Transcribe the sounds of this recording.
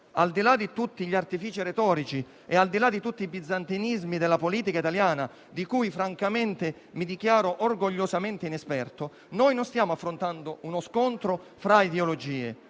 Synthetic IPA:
ald̪ilad̪it̪ut̪ːiʎiart̪ifiːt͡ʃiɾet̪ɔːɾit͡ʃi | ɛald̪ilad̪ːit̪ut̪ːiːbid̪zːant̪inizmid̪elːapoliːt̪ikait̪aljaːna | d̪ikujfɾaŋkament̪ɪ | mid̪ikjaːɾoʔorɡoʎːosament̪einɛspɛrt̪o | nojnonst̪jaːmoafːɾont̪and̪ounoskont̪ɾo | fɾaid̪eolod͡ʒiːḛ

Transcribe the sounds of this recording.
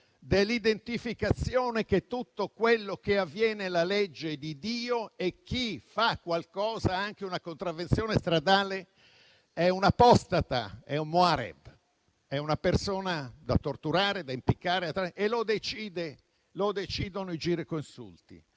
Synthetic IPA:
d̪elːid̪ent̪ifikat̪sːjoːneket̪ːut̪ːokwelːok̟eavːjɛːnelaled͡ʒːed̪id̪iːoek̟ːifakːwalkɔːzaaŋkeunakont̪ɾavːentsjoːnest̪ɾad̪aːle | ɛunapɔst̪at̪a̰ɛummoaɾɛ̰b | ɛunapersoːnad̪a̰t̪ːort̪uɾaːɾed̪aimpikːaːɾeat̪ːɾaʔelod̪et͡ʃiːd̪e | lod̪et͡ʃiːd̪onoid͡ʒiːɾekoinsṵlt̪ḭ

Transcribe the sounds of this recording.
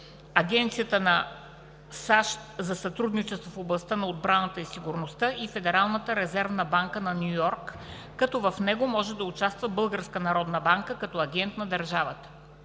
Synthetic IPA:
ɐɡɛnt̪sijət̪ənɐ | saʃt̪zɐsɐt̪ɾud̪nit͡ʃɛst̪vofoblˠɐst̪anɐod̪̚bɾanət̪əisiɡʊɾnost̪əʔifɛd̪ɛɾalˠnət̪əɾɛzɛɾvnəbaŋkənɐnʲujɔɾkː | ɐt̪ɔvɐfnɛɡomɔʒɛd̪ɐʊt͡ʃast̪vəbɤlˠɡəɾskənɐɾɔd̪nəbaŋkəkɐt̪ɔɐɡʲɛnt̪nɐd̪ɐɾʒavət̪ə̥

